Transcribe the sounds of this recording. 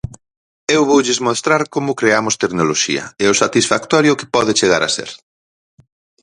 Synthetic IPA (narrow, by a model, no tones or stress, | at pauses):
ewβowʎɪzmost̪ɾaɾkomʊkɾeamʊst̪eknoloʃḭɐ̰ɛʊsat̪isfakt̪ɔɾjʊkɪ̥pɔðɪt͡ʃeɣaɾa̰sḛɾ